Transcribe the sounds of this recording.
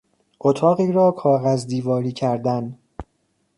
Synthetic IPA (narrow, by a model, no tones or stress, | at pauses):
ʔot̪ʰɒːɣiːɾɒːkʰɒːɣæzd̪iːvɒːɾiːcʰæɾd̪æn